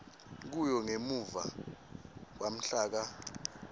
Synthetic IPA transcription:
k̬ujɔŋemuva̰ | k̬wam̩ɬaːk̬a

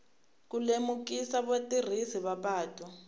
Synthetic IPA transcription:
k̬ulemukisaβotir̤isiβaɓaːtʼɔ

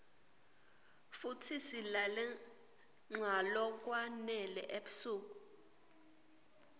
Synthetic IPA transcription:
futʰisilalɛ | ŋ͡ǁʱalɔk̬ʼwanɛlɛ̰ʔeɓu̥suːk̬ʼu

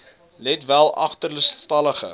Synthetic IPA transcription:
lɛtvælˠɐ̰χtərləstɐləχə̰

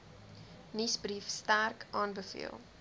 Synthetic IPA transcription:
nisbrifstærkʔɑːnbəfḭəlˠ

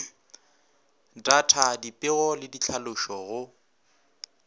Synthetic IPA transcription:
datʰadipʼɪɣɔlɪdit͡ɬʰalʊʃɔɣʊ

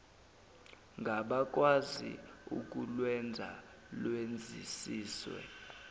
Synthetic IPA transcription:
ŋɡʱaɓak̬ʼwazḭuk̬ʼulwɛnd͡zʱa̰ | lwend͡zʱisiːswɛ̰

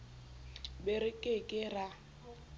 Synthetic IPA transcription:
bɪɾɪkʼekʼɪra

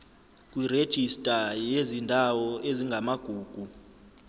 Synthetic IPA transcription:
kʼwired̥ʒ̥ʱistʼajezindʱawɔeziŋɡʱamaɡ̥ʱuːɡ̥ʱu

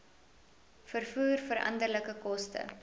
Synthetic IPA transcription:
fərfuːrfəɾʔɐ̰ndərləkəkɔstə̰

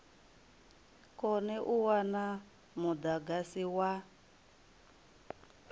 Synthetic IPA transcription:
kɔnɛʔuwana | mud̪aɡasiwa

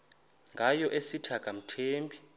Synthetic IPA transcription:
ŋɡʱajɔʔesitʰakʼam̩tʰeːmpʼi

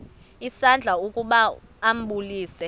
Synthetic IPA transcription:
isand͡ɮʱaukʼuɓaː | m̩ɓuliːsɛ

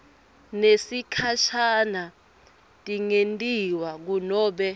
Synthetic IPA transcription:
nesikʰaʃana | tʼiŋentʼiwak̬unɔːɓɛ

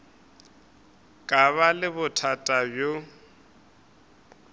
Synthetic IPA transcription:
kʼaβalɪβʊtʰatʼabjo

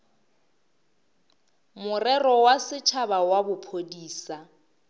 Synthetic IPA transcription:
mʊrɛrɔwasɪt͡ʃʰabawabʊpʰodiːsa

